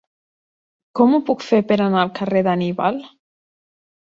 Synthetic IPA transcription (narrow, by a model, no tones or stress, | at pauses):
kɔmupukfeɾpeɾanalˠkareðaniβal